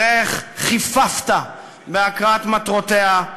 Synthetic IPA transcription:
eχχifaft̪a | beakʁat̪mat̪ʁot̪ea

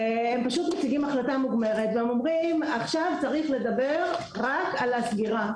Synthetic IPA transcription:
empaʃut̪mot͡siɡimaχlatamuɡme̞ʁet̪veemo̞mʁimaχʃavt͡saʁiχle̞d̪abeʁ | ʁakalasɡiʁa

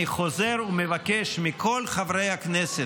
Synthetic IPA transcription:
iχo̞zeʁumevakeʃmikʰo̞lχavʁejhaknese

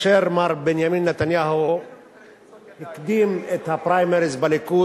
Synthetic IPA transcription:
ʃeɾmaɾˤbɪnjamiːnːat̪anjaːɦoʊ | jɪkd̪iːmɪt̪hapɾajmɛɾizbalikuː

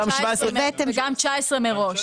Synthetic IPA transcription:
amʃvaesembɛt̪emɡamt͡ʃaesʁemeʁo̞ʃ

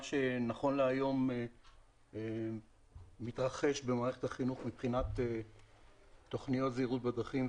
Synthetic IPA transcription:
ʃenaχo̞nleajo̞m | it̪ʁaχe̞ʃbemaːʁeχetaχinuχmipχinat̪e | tːo̞χnijo̞t̪zeːʁut̪̚bad̪ʁaχim

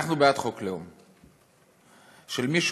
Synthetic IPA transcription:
aχnubeat̪χokleom | ʃelmiʃ

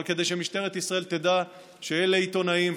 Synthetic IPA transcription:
lke̞d̪ejʃemiʃt̪eʁet̪isʁae̞lt̪ed̪a | ʃeeleit̪o̞naim

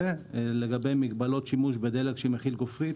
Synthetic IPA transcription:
eleɡabe̞jmiɡ̚balo̞t̪ʃimuʃbed̪eleɡʃemeχilɡofʁi

